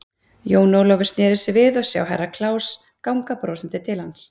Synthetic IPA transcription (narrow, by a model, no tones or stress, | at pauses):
joːwnowlɔwvɪ̥ɾst̪nɛːɾɪsɪvɪðɔsja̰ːwɦɛ̰rːakʰlaːws | kawŋkapɾowsɛnt̪ɪt̪ʰɪlhans